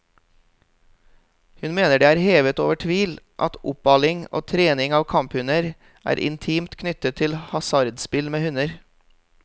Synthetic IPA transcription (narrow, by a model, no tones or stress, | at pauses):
hʉnmeːnəɖeːæːɾheːʋət̪o̰ːʋəʈʰʋiːlʔɑt̪ʊpɑlɪŋo̰ːt̪ʰɾeːnɪŋɑːʋkʰɑmphʉnəɾ | ʔæ̰ːɾʔɪ̰nt̪ʰiːmt̪kʰnʏt̪ət̪ʰɪlhɑsɑɾd̪spɪlmeːhʉnəɾ